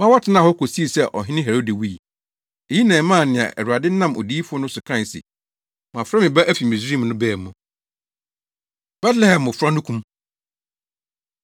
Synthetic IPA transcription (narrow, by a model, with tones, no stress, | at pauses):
mã˦wɔ˦tʰɪ˨nã˦˨hɔ˦ko˨si˦i˨sɛ˦˨ʔɔ̰˨ɦɪ̃˦nɪ̃˦ɦɛ˨ɾo˦di˨wi˦i˨ | e˨ji˦nɛ̃ː˨˦mã˦˨nɪ̃˨a̰˨ʔɛ˨ɾu˨ɾa˨dɪ˦nã˦˨mo̰˨diː˦fʊ˦ɔ˦nʊ̃˦sʊ˨kʰɾã˦˨ɪ˨sḭ˨ | mã˨fɾa˦mɪ̃˨bɛ˦ʔæ˦fi˨mĩ˨s̬ɾi˦˨m˨nʊ̃˦bɛː˦˨mːʊ̃˨ | b̥ɛ˦tlɛ˦hɛ̃˨mʊ˨fɾa˦nʊ̃˦kʰũ˦m